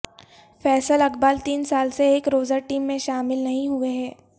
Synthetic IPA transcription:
fɛːsəlɐkbaːlt̪iːnsaːlseeːkɾoːzaʈiːmːẽʃaːmɪlnɐɦĩɦueɦɛː

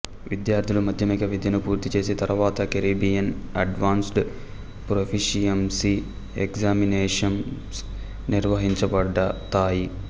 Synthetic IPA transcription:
ʋid̪jaːɾt̪ʰilumɐd̪ʱjɐmiɡɐʋid̪ʱjɐnupuːɾt̪it͡ʃe̞ːsit̪ɐɾʋaːt̪ɐkɐɾiːbijɐnɐɖʋaːnsɖ | pɾopʰiʂijɐmsi | eksaːmineːʂɐn | s | niɾʋɐɦiɲt͡ʃɐpɐɖɐt̪aːji

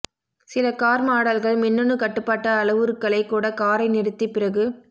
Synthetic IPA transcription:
sɪlɐkaːɾmaːɽɐlɣɐɭmɪnːɯnɯkɐʈːɯpːaːʈːɐːlɐʋɯɾɯkːɐɭɐɪkːuːɽɐkaːɾɐɪnɪɾɯt̪ːipɪɾɐɣɯ

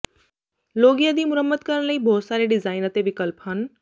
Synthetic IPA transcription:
loɡiːəd̪iːmuɾəmːət̪kəɾɽlaiːbʱosaɾeɖid͡zainət̪eʋikəlpɦən

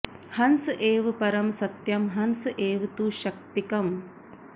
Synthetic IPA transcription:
hɐnsɨʔeːʋɨpɐɾɐmsɐt̪jɐmɦɐnsɨʔeːʋt̪uʃɐk̚t̪ikɐm

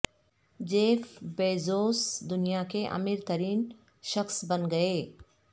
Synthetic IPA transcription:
d͡ʑeːfbeːzoːsd̪ʊnijakeʔɐ̰miːɾt̪ɐɾiːn | ʃɐxsbɐnɡɐeː

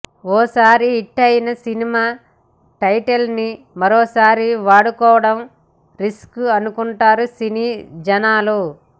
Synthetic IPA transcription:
ɔːsaːɾiːʈːɐjinɐsinimaː | ʈɐjʈɐlni | mɐɾɔːsaːɾiʋaːɽukɔːʋɐɽɐm | ɾiskuɐnukuɳʈaːɾusiniːd͡ʒɐnaːlu

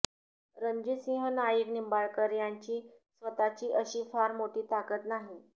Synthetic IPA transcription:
ɾəɲd͡ʑisĩɦənajiknimbaɭkəɾjaɲt͡ɕiː | sʋət̪at͡ɕiːʔəɕiːfaɾmoʈiːt̪akət̪naɦi

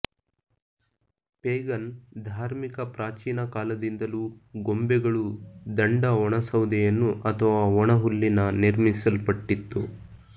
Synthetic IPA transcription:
peːɡɐnd̪ʱaːɾmikɐpɾaːt͡ʃiːnɐkaːlɐd̪ind̪ɐluːɡombɛɡɐɭud̪ɐɳɖɐɔɳɐsɐwd̪ɛjɐnːuʔɐt̪ʰɐʋaːɔɳɐɦulːinɐniɾmisɐlpɐʈːit̪ːu

